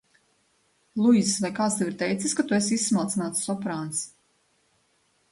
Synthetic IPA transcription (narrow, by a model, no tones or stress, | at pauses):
lˠuj̪svajkaːt̪st̪ɛviɾt̪ɛjt̪siskat̪uɛsisːmalːt̪inaːt̪ssɔpɾaːns